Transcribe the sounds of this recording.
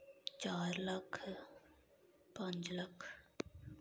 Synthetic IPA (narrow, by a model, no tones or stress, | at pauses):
t͡ʃaːɾlɐkʰ | pɐ̃ɲd͡ʒlɐkʰ